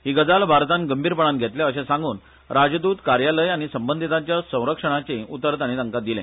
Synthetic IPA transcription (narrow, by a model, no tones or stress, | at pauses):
ɦiːɡəd͡zalbʱaɾt̪ãnɡəmbʱiːɾpəɽãnɡʱet̪leəɕẽsãŋɡuːn | ɾad͡ʑd̪uːt̪kaɾjaləjaɽ̃isəmbənd̪ʱit̪ãt͡ɕjasə̃w̃ɾəkʂəɽ̃at͡seut̪əɾət̪aɽ̃it̪ə̃ŋkad̪ilḛ̃